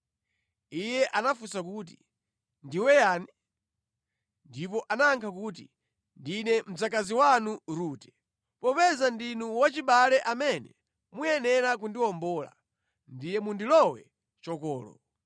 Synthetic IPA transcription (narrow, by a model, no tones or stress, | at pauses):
ijɛʔanafusak̬uːt̬i | ndiwɛjaːni | ndipɔʔanaːŋkʰakuːti | ndinɛm̩d͡zakaziwanuɾuːtɛ̥ | pɔpɛzandinuwat͡ʃiɓalɛʔamɛnɛ̰ | mujɛnɛɾak̬undiwɔmbɔːla̰ | ndijɛmundilɔwɛ̰ | t͡ʃɔkɔːlɔ̰